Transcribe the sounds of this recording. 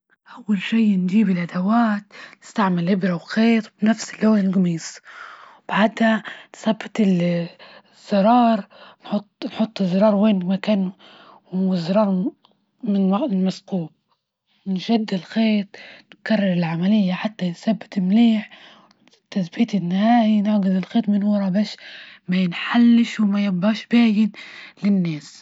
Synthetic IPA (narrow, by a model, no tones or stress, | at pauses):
ʔawːalʃijnd͡ʒiːbɪlʔad̪awaːt̪nɪst̪aʕmɪlʔɪbɾawxeːt̪ˤbnafsɪlːoːɪlɡamiːswb̥ʕaːd̪hansɑbːɪt̪ɪl | z̥ːɑɾˤɑːɾˤnħʊt̪ˤːnħʊt̪ˤːɨzˤːɑɾˤɑːɾˤweːnmakaːn | ɪzˤɑɾˤɑːɾˤ | mɪnɪmasquːb̚ | ɪnʃad̪ːɪlxeːt̪ˤnɪkarˤːɑɾˤɪlʕamalɪjːaħat̪ːansabːɪ̥t̪ɪmliːħ | t̪asbiːt̪ɪnːɪhaːʔinɪʕɡɪzɪlxeːt̪ˤmɪnwɑɾˤɑbaːʃmajɪnħalːɪʃwmajabaʃbaːjɪnlɪnːaːs